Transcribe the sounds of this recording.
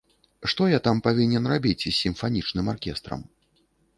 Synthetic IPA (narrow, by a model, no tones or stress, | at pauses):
ʂt̪ɔjat̪ampavʲinʲɛnrabʲit͡sʲsʲːimfanʲit͡ʂnɨmarkʲɛst̪ɾɐ̰m